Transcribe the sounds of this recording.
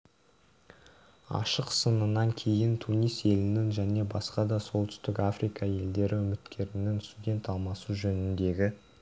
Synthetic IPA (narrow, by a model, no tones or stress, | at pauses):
ɑ̰ʃəqsənənɑŋkʲʰe̞jɪnt̪ʰunijse̞lɪnɪŋʒæne̞bɑsqɑd̪ɑso̞lˠt̪ʏ̥st̪ɪkafɾikɑe̞ld̪e̞ɾɪʏmɪt̪kʲʰe̞ɾɪnɪŋst̪udʲe̞nt̪ɑlˠmɑsuʒɵnɪnd̪e̞ɡʲɪ